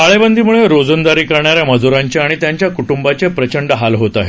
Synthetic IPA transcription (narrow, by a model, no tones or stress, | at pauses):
aɭebənd̪ʱiːmuɭeɾod͡zənd̪aɾiːkəɾɳaɾjaməd͡zuɾãɲt͡ɕeaɽ̃it̪jaɲt͡ɕjakuʈumbat͡ɕepɾət͡ɕəɳɖəɦalɦot̪aɦe